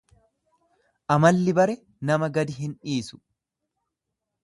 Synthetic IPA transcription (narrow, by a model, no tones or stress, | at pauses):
ʔɐmɐlːɪbɐɾɛ | nɐmɐɡɐd̪ɪɦɪnᶑiːsʊ̥